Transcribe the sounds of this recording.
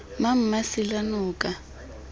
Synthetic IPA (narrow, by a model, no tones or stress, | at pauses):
mam̩masilanuːka